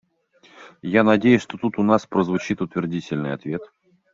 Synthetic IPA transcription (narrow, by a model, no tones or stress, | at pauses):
janɐdʲejʊsʲʂt̪o̞t̪ut̪ʊnaspɾəzvʊt͡ɕit̪ʊt̪vʲɪrdʲitʲɪlʲnɨ̰jɐ̰t̪vʲe̞t̪